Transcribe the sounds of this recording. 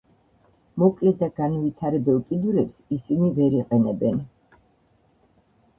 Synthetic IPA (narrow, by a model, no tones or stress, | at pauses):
mɔkʼlɛd̪aɡ̥anvit̪ʰaɾɛbɛlˠkʼid̪uɾɛpsisinivɛɾiqʼɛnɛbɛn